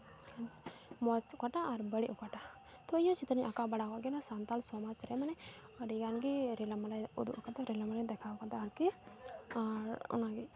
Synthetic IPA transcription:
mɔt͡ʃukaʈaːɾbəɽɛʔukaʈa | t̪ɔjɔt͡ʃit̪əniʔakabaɽakaʔɡɛnasant̪alsɔmat͡ʃɾɛmanɛ | əɽiɡanɡiɾɛlamalajṵd̪ṵʔakat̪ɛɾɛlamalad̪ɛkʰakat̪aaɾki | aɾɔ̰naɡi

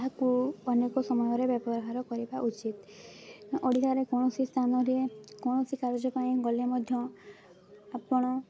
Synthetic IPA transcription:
ɦakuɔnekɔsɔmɔjɔɾebjɔbɔɾɦaɾɔkɔɾibaʔut͡ʃit̪ | ʔɔɽit̪aɾekɔɽ̃ɔsist̪ʰanɔɾekɔɽ̃ɔsikaɾɔd͡ʒɔpaĩɡɔlemɔd̪ʱjɔ | apɔɽ̃ɔ

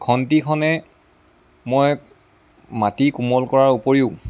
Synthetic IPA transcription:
kʰɔntikʰɔnɛ | moj | matikumɔlkɔɹaɹupoɹiʊ̃

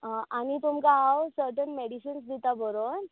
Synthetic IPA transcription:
ʔañit̪umkaawsəɾʈənmeɽiɕinsd̪it̪abəɾon

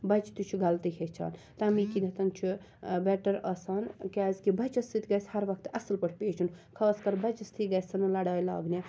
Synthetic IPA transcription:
bɐt͡ʃt̪ut͡ʃʰuɡʱɐlt̪iɦʰʲet͡ʃʰa̰ːnt̪ɐmikind̪ɐt̪ɐnt͡ʃʰu | bɛʈɐɾaːsaːnkaːzkibɐt͡ʃɐst̪it̪ɡɐshɐɾʋɐk̚t̪ɐsɐlpɐʈʰpeːt͡ʃʰunkʰaːskɐɾbɐt͡ʃɐst̪ʰiɡɐsɐnɨlɐɽaːjla̰ːɡnʲa

